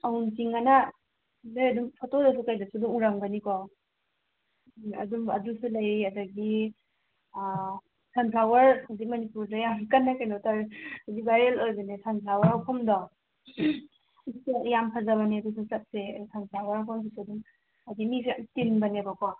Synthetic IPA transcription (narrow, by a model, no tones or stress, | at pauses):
auntiŋana | lɯjɐdumpʰatodɐs̬ukajdasuduŋuɾaŋbɐnikɔ | ɐ̰dumɐ̰dusulajɐdɐɡi | sʰanpʰlawɐɾhawzik̚mɐnipuɾdajamkɐnːakanɔtaɾhawzik̚bajɾelojbanesʰanpʰlawɐɾawpʰamdɔ | kujampʰazaβaniɐdus̬ʰusat̚sesʰanpʰlawɐɾawpʰams̬ʰusuduŋ | adimitinbɐnebakɔ